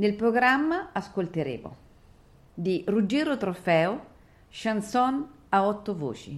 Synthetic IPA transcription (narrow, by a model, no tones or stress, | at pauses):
nelpɾoɡɾamːaaskolt̪eɾḛːvo̰ | d̪irud͡ʒːeːɾot̪ɾofɛːo | ʃansɔn | aɔt̪ːovo̰ːt͡ʃḭ